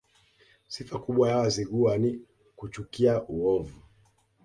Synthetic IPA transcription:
sifakuɓwajawaziɠuani | kut͡ʃukiaʔuɔvu

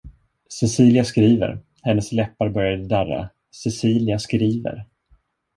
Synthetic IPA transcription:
sɛsiːlɪaskɾiːvə̰ɾ | hɛnːəslɛpːaɾbœɾjad̪əd̪ærːa̰ | sɛsiːlɪaskɾiːvə̰ɾ

